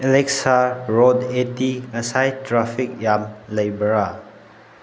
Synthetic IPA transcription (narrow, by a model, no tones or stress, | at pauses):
elek̚saɾodetiŋɐsajtɾapʰik̚jamlɐjbɐɾa